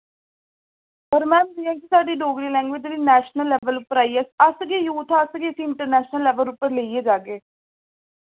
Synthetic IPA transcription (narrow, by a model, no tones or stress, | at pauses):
pəɾmɛ̃ːməlijãːkisaːɖiːɖoːɡɽiːlɛ̃ːŋɡʋɪd͡ʒʋiːnɛːʃnəlːɛːʋəlʊpːəɾaːiəsəsɡeːjuːt̪ʰaːəsɡeːəsiːɪɳʈəɾnɛːʃnəlːɛːʋəlʊpːəɾleːieːd͡ʒaːɡeː